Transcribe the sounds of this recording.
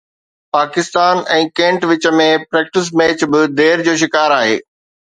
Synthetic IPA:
paːkɪst̪aːnɛ̃ːkẽːɳʈʋɪt͡ɕə̆mẽpɾɛːk̚ʈɪs̬mɛːt͡ɕbɪd̪eːɾd͡ʑoːʃ̬ɪkaːɾaːɦḛː

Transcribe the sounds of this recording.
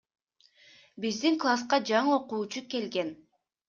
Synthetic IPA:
bizd̪iŋklˠasqɑd͡ʒɑɴɯo̞quːt͡ʃuke̞lɡe̞n

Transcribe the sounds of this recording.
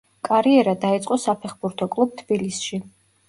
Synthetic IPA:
kʼaɾiɛɾad̪ait̪sʼqʼɔsapʰɛχbuɾt̪ʰɔkʼlˠub̚t̪ʰb̥ilisʃi

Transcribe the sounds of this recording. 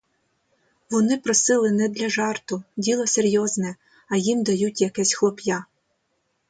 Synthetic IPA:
ʋɔnɪpɾɔsɪlˠɪnɛd̪lʲɐʒɑrt̪ʊdʲilˠɔseɾʲjɔznɛ | ɐjimd̪ɐjutʲjɐkɛsʲxlˠɔpjɑ

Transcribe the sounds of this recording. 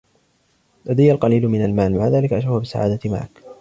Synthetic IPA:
ʔad̪ajːalqɑliːlmɪnalmaːlmaʕaðaːlɪkaʔaʃɾˤɑfbɪsa̰ʕa̰ːd̪at̪ma̰ʕa̰k

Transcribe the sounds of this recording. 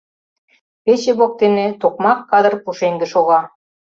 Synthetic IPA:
pet͡ɕeβok̚t̪enet̪ok̚mɑkːɑd̪ərpuʃeŋɡĕʃoɣɑ

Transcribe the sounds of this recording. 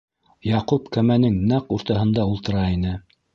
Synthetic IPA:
jɑqupkæmænɘŋnæquɾt̪ɑɦɤ̆nd̪ɑulˠt̪ɤ̆ɾɑinɘ

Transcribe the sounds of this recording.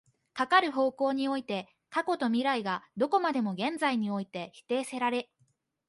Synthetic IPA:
kakaɾɯ̟ɦo̞ːko̞ːɲ̟io̞it̪e̞ | kako̞t̪o̞mʲiɾaiɡad̪o̞ko̞mad̪e̞mo̞ɡẽ̞nd͡zaiɲ̟io̞it̪e̞çi̥t̪e̞ːse̞ɾaɾe̞

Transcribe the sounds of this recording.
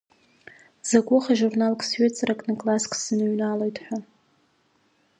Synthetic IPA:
zakʷʼʊχaʒurnalkʼsɥɪt͡sʼarakʼnakʼlaskʰʼsɨnɨɥnalojtʼħʷᶣa

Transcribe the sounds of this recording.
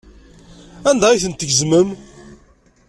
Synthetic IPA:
ænd̪æjiθənt̪ːəʝəzməm

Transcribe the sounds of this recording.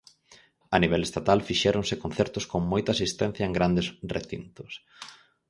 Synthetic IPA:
ɐniβ̞ɛlest̪at̪alfiʃɛɾoŋsɪkonθɛɾt̪ʊskoŋmojt̪ɐaːsist̪ɛ̃n̟θjɐeŋɡɾand̪esrḛθint̪ʊs

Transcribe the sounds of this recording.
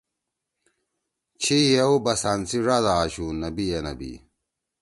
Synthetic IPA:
t͡ɕʰijewbɐsant͡siʐaːzaːɕuːnːɐbijenɐ̰bḭ

